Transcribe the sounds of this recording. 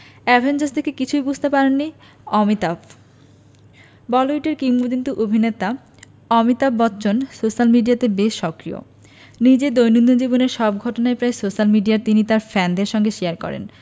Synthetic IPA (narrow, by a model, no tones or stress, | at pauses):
ɛbʱend͡ʑast̪ʰekekit͡ɕʰujbud͡ʑʱt̪epaɾenːi | ɔmit̪ab | bɔloiʈeɾkimːukint̪uʔobʱinet̪a | ɔmit̪abbɔtːɕonsoʃalmiɖijat̪ebeʃʃɔkɾijo̰ | nid͡ʑed̪ojnund̪ond͡ʑiboneɾʃɔbɡʱɔʈonaepɾaejsoʃalmiɖijaɾt̪init̪aɾfɛnd̪eɾʃɔŋɡeʃeaɾkɔ̰ɾḛn